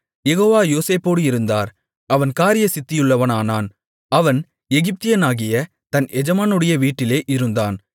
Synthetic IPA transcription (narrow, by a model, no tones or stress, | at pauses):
jɛɣoːʋaːjoːseːpːoːɽɯɪɾɯnd̪aːɾ | ɐʋɐnkaːɾɪjɐsɪt̪ːɪjɯɭːɐʋɐnaːnaːn | ɐʋɐn | ɛɣɪp̚t̪ɪjɐnaːɣɪjɐ | t̪ɐnɛd͡ʒɐmaːnɯɽɐjɐʋiːʈːɪleːʔɪɾɯnd̪aːn